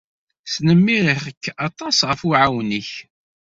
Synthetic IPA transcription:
snəmːiɾəχəkːɑt̪ˤɑsʁəfuʕawnəç

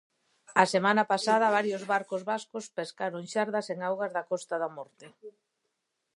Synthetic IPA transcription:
ɐsemanapasað̞ɐβ̞aɾjozβaɾkozβaskospeskaɾoŋʃaɾðɐseŋawɣɐzðɐkɔst̪aðɐmɔɾt̪e

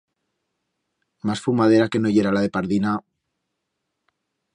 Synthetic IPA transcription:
masfumað̞e̞ɾake̞no̞ʝe̞ɾalaðe̞paɾðina

